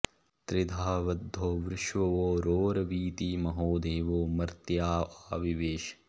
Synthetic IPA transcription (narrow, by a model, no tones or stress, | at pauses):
t̪ɾɪd̪ʱaːʋɐd̪ʱːoːʋɾɪʃʋɐʋoːɾoːɾɐʋiːt̪iːmɐɦoːd̪ʱeːʋoːmɐɾt̪jaːaːʋiʋeːʃ